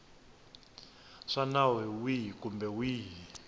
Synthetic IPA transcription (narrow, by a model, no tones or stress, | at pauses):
ʂanawɛwikumbɛwiː